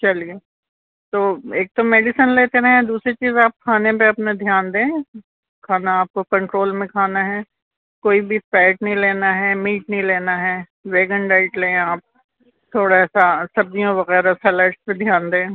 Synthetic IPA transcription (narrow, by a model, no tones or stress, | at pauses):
t͡ʃɐlie | t̪oːeːk̚t̪omeːɖɪsənleːt̪eɾɐɦẽd̪uːsɾit͡ʃiːzaːp̚kʰaːnepeɐpned̪ʱjaːnd̪ẽː | kʰaːnaaːp̚kokɐ̃ɳʈɾoːlmẽkʰaːnaɦɛː | koːibʱifɛːʈnɐɦĩleːnaɦɛmiːʈnɐĩleːnaɦɛː | ʋeːɡə̃ɳɖaːɪʈlẽːaːp̚ | t̪ʰoːɽaɛsasɐb̚d̪ijõʋɐɣɛːɾasɛːleːʈsped̪ʱjaːnd̪ẽː